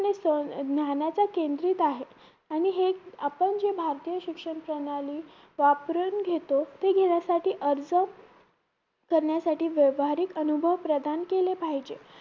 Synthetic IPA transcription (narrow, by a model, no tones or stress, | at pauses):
nesənjanjat͡sakend̪ɾiːt̪aɦe | aɽ̃iɦeapəɳd͡zebʱaɾt̪ijəɕikʂəɳpɾənaliː | ʋapɾənɡʱet̪ot̪eɡʱeɽjasaʈiːʔəɾd͡zəm | kəɾɳjasaʈiːʋjəʋɦaɾiːkənubʱəʋpɾəd̪ʱankelepaɦid͡ʑe